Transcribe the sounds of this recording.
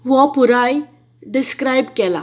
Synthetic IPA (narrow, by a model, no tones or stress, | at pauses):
ʋɔpuɾaj | ɖɪskɾajbkɛla̰